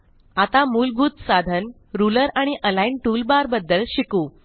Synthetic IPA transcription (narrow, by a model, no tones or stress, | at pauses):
at̪amuːlbʱuːt̪sad̪ʱən | ɾuləɾaɽ̃iʔəlainʈuːlbaɾbəd̪ːəlɕikuː